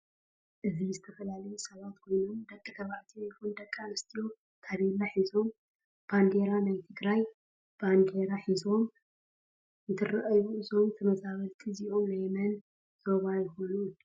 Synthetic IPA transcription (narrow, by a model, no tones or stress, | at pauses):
ʔɨzizɨt̪ʰɐfɐlalɐjusɐβat̪kʰo̞jno̞md̪ɐkʼːɨk̪ʰɐβaʕt̪ʰijkund̪ɐkʼːanɨst̪ʰijo̞ | t̪ʰaβilːaħizo̞m | b̥and̪e̞ɾanajt̪ʰɨɡɾaj | b̥and̪e̞ɾaħizo̞m | nt̪ʰɨrɐʔɐβuʔɨzo̞mt̪ʰɐmɐzaβɐlt̪ʰiziʔo̞mnajmɐn | z̥oβajɪxo̞nun